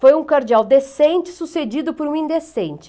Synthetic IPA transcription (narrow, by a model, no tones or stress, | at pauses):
fojũkoɾd͡ʒiawd̪esẽnt͡ʃɪ̥sused͡ʒid̪ʊpoɾũĩnd̪esẽnt͡ʃɪ̥